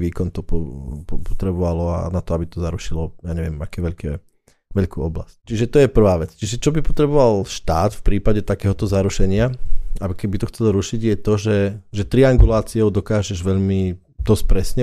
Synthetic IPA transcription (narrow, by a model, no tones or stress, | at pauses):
ʋiːkɔnt̪ɔpɔpɔpɔt̪ɾɛbɔʋalɔa̰nat̪ɔabit̪ɔzaɾuʃilɔjaːɲɛʋɪɛmakɛːʋɛʎkɛː | ʋɛʎkuːɔbla̰sct͡ʃiʒɛt̪ɔjɛpr̩ʋaːʋɛt͡st͡ʃiʒɛt͡ʃɔbipɔt̪ɾɛbɔʋalʃt̪aːt̪fpɾiːpaɟɛt̪akɛːɦɔt̪ɔzaɾuʃɛɲɪaakɛbit̪ɔxt͡sɛlɔɾuʃiɟjɛt̪ɔʒɛʒɛt̪ɾiaŋɡulaːt͡siɔʊd̪ɔkaːʒɛʒʋɛʎmi | d̪ɔsc̚pɾɛsɲɛ